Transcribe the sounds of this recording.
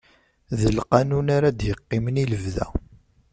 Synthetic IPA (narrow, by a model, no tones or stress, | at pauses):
ðəlqɑnunaɾad̪jəqːɪməniləvðæ̰